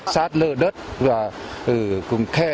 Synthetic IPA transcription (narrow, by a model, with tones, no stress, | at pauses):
saː˦˥t̚ləː˧˩ɗə˦˥t̚vaː˨˩ʔɨ˨˩kʊ˨˩ŋ͡mkʰɛ˧˩